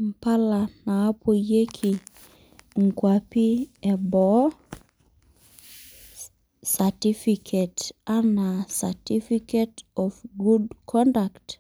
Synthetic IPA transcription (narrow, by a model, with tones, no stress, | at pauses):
m̩˨pa˦la˨naː˨˦pʰo˨je˦kʰi˨ | ŋkwa˨pi˦ɛ˨bɔ˨ | sa˨ti˦fikʰeta˦na˨sati˦fiketɔfɡu˦dkʰɔ˦ndakt